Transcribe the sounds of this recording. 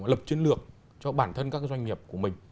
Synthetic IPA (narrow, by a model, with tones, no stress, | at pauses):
lə˨˩p̚t͡ɕi˧˦ənlɨ˨˩ək̚ | t͡ɕɔ˧ɓaː˧˩nt̪ʰə˧nkaː˦˥k̚zwa˧jŋ̟ŋi˨˩əp̚ku˧˩əmï˨˩ŋ̟